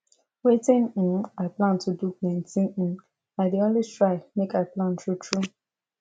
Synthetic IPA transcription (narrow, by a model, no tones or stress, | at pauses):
wetĩnĩnaɪplãntʰuduplɛ̃ntĩnĩn | aɪdeõnlitɹaɪmekaɪplãntʰɹutʰɹu